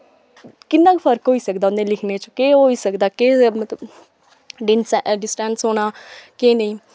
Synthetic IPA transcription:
kɪnːãːkpʰəɾkɦoːiːsəkd̪aːʊnd̪ẽːlɪkʰneːt͡ʃkeːɦoːiːsəkd̪aːkeːmət̪ləb | ɖɪnsɖɪsʈɛːnsɦoːnaːkeːnəĩː

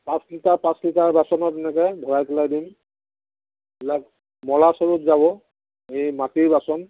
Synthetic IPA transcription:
pãslitaɹpãslitaɹbasɔnɔtɛnɛkɛbʱɔɹajkʰɔlajdim | bilak̚ | mɔlasɔɹutzabɔ | ejmatiɹbasɔn

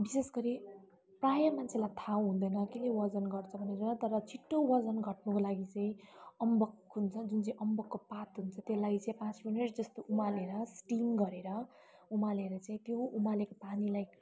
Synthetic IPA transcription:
bisesɡʌɾi | prajʌmant͡sʰelajt̪ʰaw̃ɦũnd̪ʌjnʌkelewʌd͡zʌnɡʌrt͡sʰʌbʱʌneɾont̪ʌɾʌt͡sʰiʈːowʌd͡zʌnɡʱʌʈnukolaɡit͡sʌĩʌmbʌkɦunt͡sʰʌd͡zunt͡saĩʔʌmbʌkːopat̪ɦunt͡sʰʌt̪jelaɡit͡saĩpãt͡sminiʈd͡zʌst̪oʔumaleɾʌsʈimɡʌɾeɾʌ | umaleɾʌt͡saĩt̪joumalekopanilaj

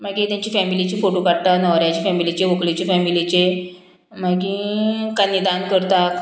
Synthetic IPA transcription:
m̤aɡĩt̪jãɲt͡ɕifɛmilit͡ɕifoʈokaɽt̪anəʋɾjat͡ɕifɛmilit͡ɕeʋokɭit͡ɕefɛmilit͡ɕe | m̤aɡikənːid̪ankəɾt̪ak

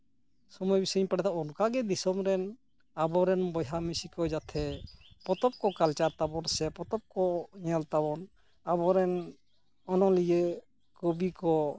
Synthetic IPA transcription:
sɔmɔjbisɔɲpaɽɛt̪ʰaɔnkaɡɛd̪isɔmɾɛn | abɔɾɛnbɔjɦamisikɔd͡ʒat̪ʰɛpɔt̪ɔp̚kɔkalt͡ʃaɾt̪abɔnsɛpɔt̪ɔp̚kɔɲɛlt̪abɔn | abɔɾɛn | ɔnɔlid͡ʒɛ | kobikɔ

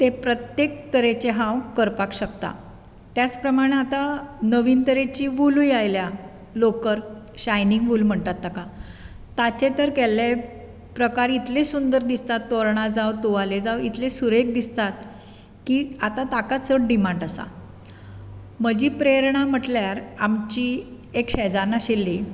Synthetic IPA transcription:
t̪epɾət̪jekt̪əɾet͡ɕeɦãwkəɾpakɕəkt̪a̰ | t̪jat͡spɾəmaɽ̃eat̪anəʋiːnt̪əɾet͡ɕiːʋulujajlja | lokəɾ | ɕajniŋɡʋulm̤əɳt̪at̪ːaka | t̪at͡ɕet̪əɾkele | pɾəkaɾit̪ʰlesund̪əɾd̪ist̪at̪ːoɾɳad͡zawt̪oaled͡zawit̪ʰlesuɾek̚d̪ist̪at̪̚ | kiːat̪at̪akat͡səʈɖimãɳɖasa̰ | m̤əd͡ʑipɾeɾɳ̃am̤əʈljaɾamt͡ɕi | ekɕɛd͡zaɾnaɕelːi

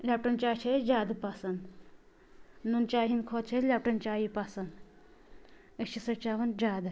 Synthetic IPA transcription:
lʲaːp̚ʈɐnt͡ʃaːt͡ʃʰed͡ʒaːd̪pasɐnd̪ | nunt͡ʃaːɦinkʰot͡ʃʰelʲap̚ʈɐnt͡ʃaːjipasɐn | ət͡ʃʰisɐt͡ʃaːʋɐnd͡ʒaːd̪

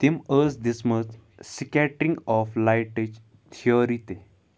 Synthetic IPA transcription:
t̪iməsd̪ismət͡ssikɛʈĩŋɡɔflajʈed͡ʑ | t̪ʰioɾit̪e

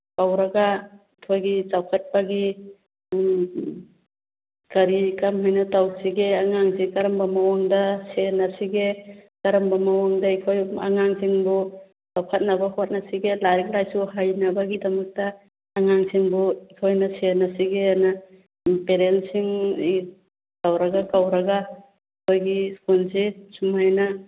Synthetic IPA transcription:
pawɾɐɡa | tʰojɡit͡ʃawkʰɐt̚paɡi | kɐɾikamɦajnɐtawsiɡeaŋaŋsikɐɾɐmbɐmawaŋdɐsenasiɡekɐɾɐmbamawaŋdɐikʰoja̰ŋaŋsiŋbu | tawkʰɐt̚nɐbɐhot̚nɐsiɡelaɾik̚lajsuhajnɐbɐɡidɐmɐk̚tɐː | ŋaŋsiŋbukʰojnɐsenɐsiɡenɐ | peɾensiŋ | tawɾɐɡakawɾɐɡa | kʰojɡiskunsesumajnɐ

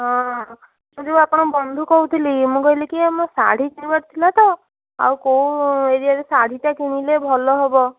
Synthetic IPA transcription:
ɦɔ̃ | mũd͡ʒebuapɔɽ̃ɔbɔnd̪ʱukɔut̪ʰilimũkɔɦilekiamɔ̃sa̰ɽ̤ikinibaʈt̪ʰilat̪ɔ | a̰wkoũeɾiaɾesaɽ̤iʈakiñilebʱɔlɔɦebɔ

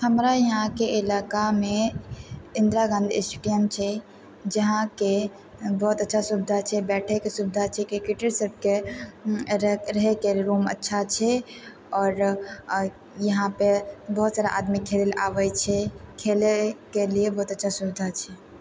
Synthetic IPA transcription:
həmɾajɐɦãkeɪlaːkamẽ | ɪ̃nd̪ɾaɡãnd̪ɪsʈuɖijəmt͡ʃʰɛ | d͡ʒɐɦãke | bɔɦʊt̪ətːʃʰasubɪd̪ʱat͡ʃʰɛbɛːʈʰekesubɪd̪ʱat͡ʃʰɛkikiʈəɾsəb̚ke | ɾɐɦekeɾoːmə̰tːʃʰat͡ʃʰɛ | ɔːɾ | jɐɦãpebɐɦʊt̪saːɾaʔaːd̪mikʰːeːlla̰ːʋət͡ʃʰɛkʰeːlekeliebɔɦʊt̪ətːʃʰasubɪd̪ʱat͡ʃʰɛ

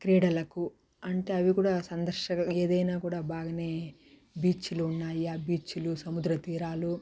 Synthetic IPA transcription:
kɾeːɽɐlɐku | ɐɳʈeːɐʋikuːɽaːsɐnd̪ɐɾʃɐɐeːd̪ɐjnaːkuːɽaːbʱaːɡɐneː | biːt͡ʃuluːnːaːjaːbiːt͡ʃːulusɐmud̪ɾɐt̪iːɾaːlu

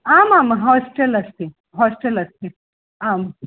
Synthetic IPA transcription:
aːmaːmɦɔːsʈelɐst̪i | ɦɔːsʈelɐst̪i | aːm

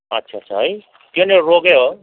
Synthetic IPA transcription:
ʌtːsʰat͡sʰʌɦʌj | t̪joneroɡeo

